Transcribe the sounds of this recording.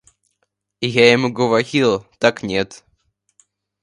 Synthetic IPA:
ɪjaɪmuɡəvɐɾʲilˠt̪aknʲet̪

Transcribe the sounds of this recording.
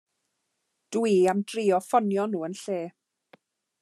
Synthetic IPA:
d̥wiːamd̥riːɔfɔnjɔnuːənɬeː

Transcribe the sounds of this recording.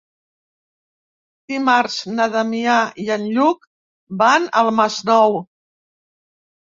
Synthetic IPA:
d̪̥imaɾznəðəmiaiənʎuk | banəlˠmaznɔw

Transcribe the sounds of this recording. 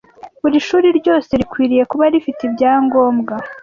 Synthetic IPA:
βuɾiʃuːɾiɾɟo̞ːse̞ɾikwiːɾije̞kuβaɾifitibɟaːŋɡo̞ːmɡa

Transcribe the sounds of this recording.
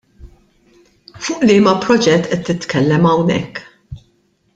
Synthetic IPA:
fʊːʔlɪːmɐpɾɔd͡ʒɛt̪ːʔɛt̪ːɪt̪kɛlːɛmɐwnɛ̰kː

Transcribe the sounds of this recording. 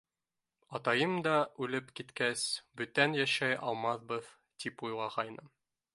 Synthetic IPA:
ɑt̪ɑjɤmd̪ɑʔʉlɘpkit̪kæsbɵ̆t̪ænjæʃæjʔɑlˠmɑðbɤð | t̪ipujlˠɑʁɑjnɤ

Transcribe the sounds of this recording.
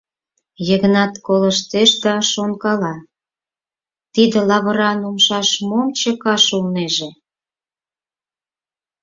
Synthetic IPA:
jəɣənɑt̪koləʃt̪eʃd̪ɑʃonkɑlɑ | t̪id̪ĕlɑβəɾɑnumʃɑʃmomt͡ɕə̆kɑʃulneʒe

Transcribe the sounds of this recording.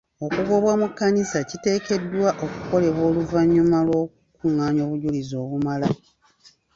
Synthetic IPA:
o̞kuɡo̞βwamukːanisacite̞ːke̞dːwaʔo̞ku̥ko̞le̞βwo̞ːluvaɲːumalwo̞kukuŋːaːɲo̞ːβuɟulizo̞ːβumala

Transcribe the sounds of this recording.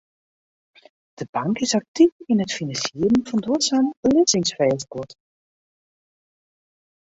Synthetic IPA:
d̥əbɑŋkɪsɑk̚tifɪnətfinɑnsiərənvɑndoətsaːnəb̥əlɪsɪŋsfɛjskɔt

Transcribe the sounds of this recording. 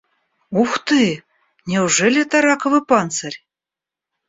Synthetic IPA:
uxt̪ɨ | nʲeuʐelʲet̪ɑɾɑkŏvɨpɑnsɤrʲ

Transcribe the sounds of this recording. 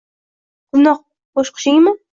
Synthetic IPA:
ɡ̥ʊnɒq̚ | boʃqʰə̥ʃɪŋmɪ

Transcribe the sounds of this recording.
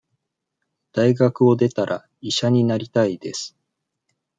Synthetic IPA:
d̪̥aiɡakɯ̟o̞d̪e̞t̪aɾʔa | iɕaɲ̟inaɾʲit̪aid̪̥e̞sɨ̥

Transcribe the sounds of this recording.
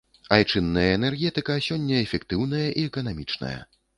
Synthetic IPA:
ajt͡ʂɨnːɐjɐɛnɛrɣʲɛt̪ɨkɐsʲɔnʲːɐɛfʲɛkt̪ɨwnɐjɐʔiɛkɐnamʲit͡ʂnɐ̰jɐ̰

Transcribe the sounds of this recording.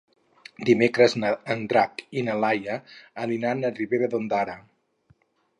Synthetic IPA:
d̪imekɾəznənd̪ɾakinəlajəːlinanəriβeɾəðond̪aɾə

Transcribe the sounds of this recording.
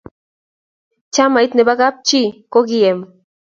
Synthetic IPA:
t͡ʃamajt̪nebakap̚t͡ʃikoɡiem

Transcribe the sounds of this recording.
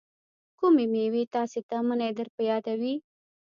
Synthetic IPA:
kumemewet̪ɑset̪amənajd̪əɾpəjɑd̪awi

